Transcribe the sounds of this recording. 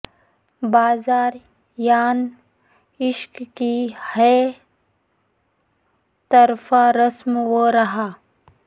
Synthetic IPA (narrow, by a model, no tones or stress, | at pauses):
baːzaːɾ | jaːn | ɪʃkkihɛ | t̪əɾfaɾɐsmwəɾɐɦaː